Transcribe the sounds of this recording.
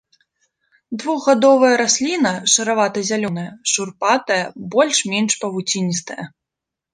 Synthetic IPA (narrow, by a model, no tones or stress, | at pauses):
d̪vuɣɣad̪ɔvɐjɐɾasʲlʲinɐʂɐɾavat̪ɐzʲalʲɔnɐjɐʂurpat̪ɐjɐbɔlʲʂmʲenʂpɐvut͡sʲinʲist̪ɐjɐ̰